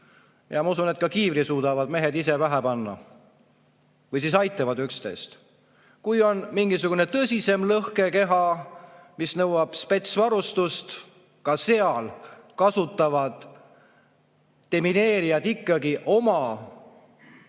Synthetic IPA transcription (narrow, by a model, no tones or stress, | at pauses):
jɑmɑusunet̪̚kɑkiːvɾisuːd̪̥ɑvɑd̪me̞ɦed̪ise̞væɦæpɑnːɑ̰ | vɤjs̬is̬ɑjt̪ːˑɑvɑd̪ykst̪e̞̰jst̪ | kujo̞nmiŋɡisuɡ̥une̞t̪ɤsʲise̞mlɤhke̞ke̞ɦɑ | misnɤwɑb̥spe̞t̪svɑɾust̪ust̪ | kɑse̞ɑlkɑsut̪ːˑɑvɑd̪̥ | emine̞ːɾijɑd̪̥ikˑːɑɡiʔo̞mɑ